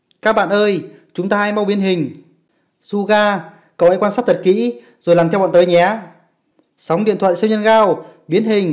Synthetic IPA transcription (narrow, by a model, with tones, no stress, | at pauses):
kaː˦˥k̚ɓa̰ː˧˨nʔəː˧j | t͡ɕʊ˨˦ŋ͡mt̪aː˧ʔaː˧jma˧wɓi˨˦ənɦï˨˩ŋ̟ | su˧ɣaː˧ | kə˨˩wha̰˧˥kwa˧nsaː˦˥t̚t̪ʰə˨˩t̚kḭ˧˥ | zo˨˩jaː˨˩mt̪ʰwɓɔ̰˧˨t̪ːjɲɛ˨˦ | sa˨˦wŋ͡mɗḭ˧˨ənt̪ʰwa̰˧˨jsi˧wɲə˧nɣaː˧wɓi˨˦ənɦï˨˩ŋ̟